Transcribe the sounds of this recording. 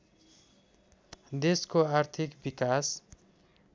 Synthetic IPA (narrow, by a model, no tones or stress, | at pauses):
d̪eskoart̪ʰikbikas